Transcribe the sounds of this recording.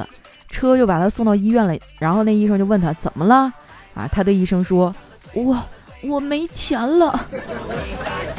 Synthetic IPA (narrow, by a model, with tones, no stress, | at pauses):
ə̰˨˩ | ʈ͡ʂʰɤ˥t͡ɕjo˥˩ʊpa˨˩t̪ʰa˥sʊ˥˧ŋt̪ɑ˥˧ʊi˥ɥɛ˥˩nlə˩ɻa˧˥nxo˥˧ʊn˥˩i˥˩ʂɤ˥ŋt͡ɕjo˥˧ʊwnt̪ʰa˥t͡sə˨˩nmə˦lə˧ | ɐ̰˧˩t̪ʰa˥t̪we˥˧i˥˩ʂɤ˥ŋʂwɔ˥ | wɔ˥˩ | wɔ˨˩me˧˥ɪt͡ɕʰjɛ˧˥nlə˧